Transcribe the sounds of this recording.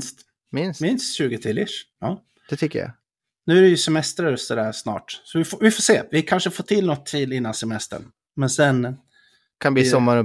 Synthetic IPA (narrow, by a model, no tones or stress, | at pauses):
st̪ | mɪnsmɪnst̪ɕʉ̟ːɡət̪ʰɪlɪʂɑː | d̥ɛt̪ʰʏkːə̰ja̰ | nʉ̟ːæɾɛjɵsɛmɛst̪ɾajɵst̪əd̪æɾsnɑ̰ːʈsɔvɪfovɪfoːʂeːvɪkʰanʂəfoːt̪ʰɪlːnɔt̪ʰːɾilːɪnːansɛmɛst̪ə̰ɳ | mɛnsɛn | kʰanbiːsɔmːaɾɔ